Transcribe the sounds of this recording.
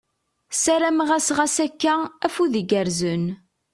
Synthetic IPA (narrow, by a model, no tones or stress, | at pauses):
sæɾæmʁæsʁæsækːææfuðiɡəɾzən